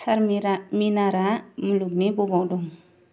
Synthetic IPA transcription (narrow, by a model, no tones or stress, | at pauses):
saɾɾminaɾamuluk̚nebɔbawdɔŋ